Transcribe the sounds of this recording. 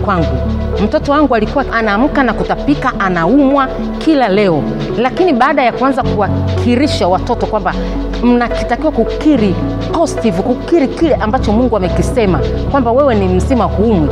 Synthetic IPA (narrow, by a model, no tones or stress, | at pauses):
kwaŋɡu | m̩tɔtɔwaŋɡualikuwaʔanaːm̩kanakutapikaʔanaumwa | kʰilalɛɔ | lakiniɓaːɗajakuanzakuwakʰiɾiʃawatɔtɔkwamba | m̩nakitakiwakukiɾi | ɔstivukukiɾikilɛʔambat͡ʃɔmuŋɡuamɛkisɛmakwambawɛwɛnim̩zimahumwi